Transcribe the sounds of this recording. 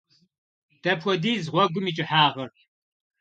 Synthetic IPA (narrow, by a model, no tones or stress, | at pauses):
d̥ɐpʰʷɔdiːzʁʷɔɡʷʊmiːt͡ʃʼɪħaːʁɐr